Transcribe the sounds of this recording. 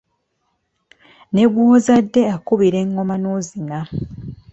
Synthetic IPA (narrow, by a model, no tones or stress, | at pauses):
ne̞ɡwoːzadːe̞akuβiɾe̞ŋːo̞manozina